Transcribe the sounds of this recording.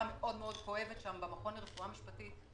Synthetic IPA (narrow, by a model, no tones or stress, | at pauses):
ame̞ʔo̞d̪meo̞d̪ko̞e̞vetʃambamaχo̞nʁefuamiʃpat̪it